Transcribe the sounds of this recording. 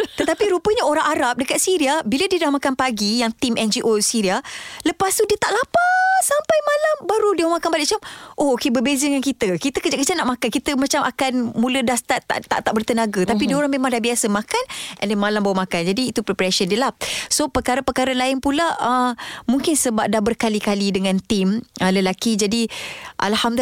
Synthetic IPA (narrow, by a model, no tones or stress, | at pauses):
t̪ət̪apiɾupəɲaoɾaŋaɾap̚dəkat̪̚siɾiabilədiədahmakanpaɡijaŋt̪imʔɛnd͡ʒiʔosiɾialəpast̪udiət̪aʔlapasampajmalambaɾudiəmakanbalɪʔ̚t͡ʃamʔookebəbezədəŋankit̪əkit̪əkəd͡ʒaʔkəd͡ʒat̪naʔmakankit̪əmat͡ʃamʔa̰kanmulədast̪aʔt̪a̰ʔt̪a̰ʔt̪aʔbərt̪ənaɡat̪apidəoɾaŋmemãŋdahbiasəmãkanʔɛ̰ndɛnmalambawumakand͡ʒadiːt̪upɾɛpɾasəndiəlahsopəkaɾəpəkaɾalaɪnpulaəmuŋkɪnsəbap̚dahbərkalikalidəŋãnt̪imələlakid͡ʒadiʔa̰lham